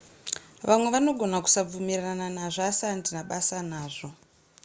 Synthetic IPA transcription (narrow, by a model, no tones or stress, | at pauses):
ʋamwe̞ʋano̞ɡʱo̞naku̥sab͡vumirananaʐasandinaɓasanaːʐo̞